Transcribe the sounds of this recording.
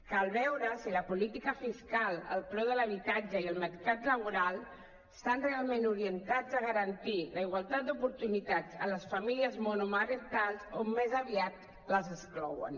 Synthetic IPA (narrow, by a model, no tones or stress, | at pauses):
kalˠβɛwɾəsiləpulit̪ikəfiskalə̰lˠpɾɔðələβ̞it̪ad͡ʒəiəlˠməɾkat̪ləβ̞uɾalˠ | st̪anrealˠmenuɾiənt̪ad͡zəɣəɾənt̪iləiɣwalˠt̪at̪̚d̪upuɾt̪unit̪ad͡zələsfamiliəzmonumarənt̪alˠzomːezəβiat̪ | ləzəsklɔ̰wə̰n